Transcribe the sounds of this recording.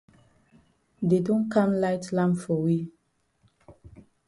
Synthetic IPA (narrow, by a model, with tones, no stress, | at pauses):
de˨dɔ̃˦nkʰã˦mla˦ɪtlã˦mpfɔ˨wi˦